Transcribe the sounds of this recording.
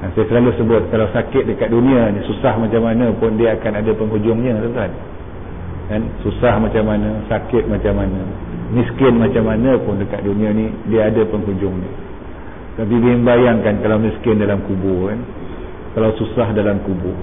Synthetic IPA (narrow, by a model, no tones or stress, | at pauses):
ansajasəlalusəbʊt̪̚kalawsakɪt̪̚dəkat̪̚dunĩanisusahmat͡ʃamanãpʊndiaakanadapəŋɦud͡ʒʊŋɲət̪ənt̪an | kansusahmat͡ʃamːanãsakɪt̪̚mat͡ʃamanãmiskɪnmat͡ʃamanapʊndəkat̪̚dunĩanidiaːdapəŋɦud͡ʒʊŋɲi | ət̪ap̬idiəmbajaŋkankalawmiskɪndalamkubʊkan | kalawsusahdalamkubʊ